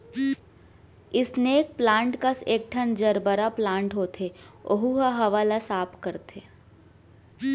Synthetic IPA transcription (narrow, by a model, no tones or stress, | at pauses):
ɪsneːk̚plãːɳʈkəseːk̚ʈʰənd͡ʒɐɾbəɾaplãːɳʈɦoːt̪ʰeo̰ɦuɦaɦɐʋaːlasaːpʰkəɾt̪ʰeː